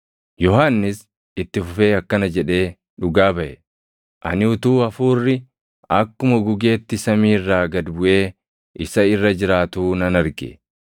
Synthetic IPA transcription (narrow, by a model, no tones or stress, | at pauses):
jɔɦanːɪs | ɪt̪ːɪfʊfe̞ːɐkːɐnɐd͡ʒɛᶑe̞ː | ᶑʊɡaːbɐʔɛ | ʔɐ̰nɪʊt̪uːɐfuːrːɪ | ɐkːʊmɐɡʊɡe̞ːt̪ːɪsɐmiːrːaːɡɐd̪bʊʔe̞ː | ɪsɐɪrːɐd͡ʒɪɾaːt̪uːnɐnɐɾɡḛ